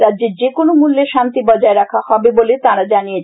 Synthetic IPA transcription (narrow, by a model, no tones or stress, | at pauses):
ɾadːd͡ʑeɾd͡ʑekonomulːeʃant̪ibɔd͡ʑaeɾakʰahɔbebolet̪aɾad͡ʑanijet͡ɕʰ